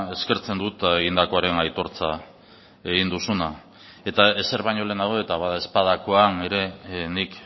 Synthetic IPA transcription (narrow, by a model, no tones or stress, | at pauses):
e̞ske̞ɾt͡se̞nd̪ut̪aeɣind̪ako̞aɾe̞najt̪o̞ɾt͡sa | e̞ɣind̪usuna | e̞t̪ae̞se̞ɾβajɲo̞le̞ːnaɣoe̞t̪aβaðae̞spað̞ako̞ane̞ɾe̞nik